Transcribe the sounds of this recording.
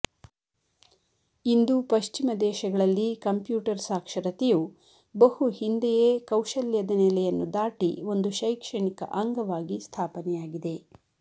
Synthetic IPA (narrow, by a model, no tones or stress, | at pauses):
ind̪upɐʃt͡ʃimɐd̪ɛːʃɐɡɐɭɐlːikɐmpjuːʈɐɾsaːkʂɐɾɐt̪eju | bɐhuhind̪ɛjekɐwʃɐljɐd̪ɐnɛlɛjɐnːud̪aːʈio̞nd̪uʃɐjkʂɐɳikɐ̰ʔɐŋɡɐʋaːɡist̪ʰaːpɐnɛjaːɡid̪e̞